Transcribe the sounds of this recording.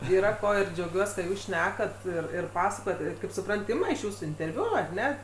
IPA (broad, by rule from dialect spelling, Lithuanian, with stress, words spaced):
iːˈrɐ ˈkoː ɪr d͡ʒʲɛʊˈɡʲuɔs kɐt ˈjuːs ˈʃʲnʲæːkɐt ˈɪr ɪr ˈpɑːsɐkoːjɛt ˈɪr kɐɪp sʊˈprɐnt ˈɪmɐ ɪʃ ˈjuːsuː ɪnʲtʲɛrʲˈʋʲʊ ɐr ˈnʲɛ